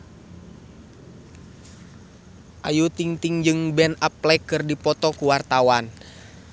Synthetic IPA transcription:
ʔajut̪iŋt̪iŋd͡ʒɨŋbɛnaplɛkɨrdipɔt̪ɔkuwart̪awan

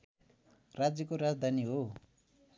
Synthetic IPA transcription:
rad͡zjʌkoɾad͡zd̪ʱaniɦo

